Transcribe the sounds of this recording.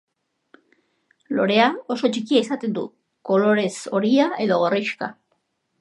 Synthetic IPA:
lo̞̰ɾe̞ao̞so̞t͡ʃikiaisat̪e̞nd̪ṵ | ko̞lo̞ɾe̞so̞ɾiae̞ðo̞ɣoriʃka̰

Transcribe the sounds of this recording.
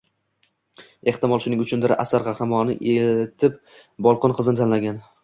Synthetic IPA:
e̞ht̪ɪmɒlˠʃʊnɪŋʊt͡ʃʰʊnd̪ɪɾʔa̰saɾʁɑhɾɪmɒnɪ̰ʔet̪ʰɪp̚ | bɒlˠqʰʊnqʰɨzɪnɪt̪ʰanlaɡʲan

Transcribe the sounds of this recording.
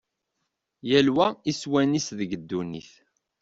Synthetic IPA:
jælwæiswænisðəɡəd̪ːunḭθ

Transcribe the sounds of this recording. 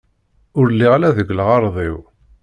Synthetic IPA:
ʊɾlːiʁalæðəɡʷləʁɑɾˤðˤiw

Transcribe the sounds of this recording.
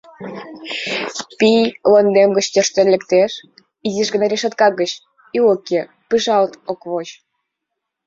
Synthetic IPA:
pijlənd̪emɡət͡ɕt̪øʃt̪enlʲə̆kt̪eʃ | iziʃɣə̆nɑɾʲeʃət̪̚kɑɣət͡ɕ | ioke | pɨʒɑlt̪okβot͡ɕ

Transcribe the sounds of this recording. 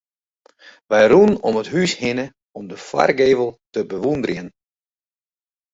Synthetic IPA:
ʋɛjrunɔmətɦyshɪnə | ɔmdəfwa̰rɡeːvəlˠtəbəʋundərjən

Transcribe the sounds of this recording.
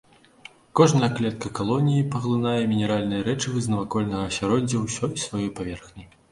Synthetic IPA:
kɔʐnɐjɐklʲɛt̪̚kɐkalˠɔnʲijipɐɣlˠɨnajɛmʲinʲɛɾalʲnɨjɐɾɛt͡ʂɨvɨznɐvakɔlʲnɐɣɐsʲaɾɔd͡zʲːɐwsʲɔjsvajɔjpavʲɛrxnʲij

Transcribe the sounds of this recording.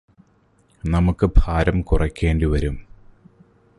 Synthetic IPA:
nɐmukːɨbʱaːɾɐmkurɐkʲːe̞ːnɖɨʋɐɾum

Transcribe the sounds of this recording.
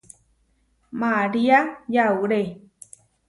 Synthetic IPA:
maɾiajauɾe

